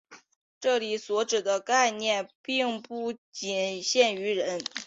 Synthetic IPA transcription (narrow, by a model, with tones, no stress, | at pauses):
ʈ͡ʂɤ˥˩li˨˩swɔ˧˥ʈ͡ʂɻ̩˨˩d̪ə˦ka˥˧ɪnjɛ˥˧npi˥˧ŋpu˥˩t͡ɕi˨˩nɕjɛ˥˩ny˧˥ɻə˧˥n